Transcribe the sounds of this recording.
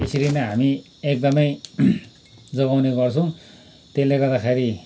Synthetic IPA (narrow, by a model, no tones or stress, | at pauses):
isiɾinʌɦami | ek̚d̪ʌmʌj | d͡zʌɡawneɡʌrt͡sʰʌ̃w̃ | t̪eleɡʌrd̪axeɾi